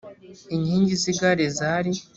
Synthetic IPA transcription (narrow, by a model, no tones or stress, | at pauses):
iɲhiːɲɟiziɡaɾezaːɾi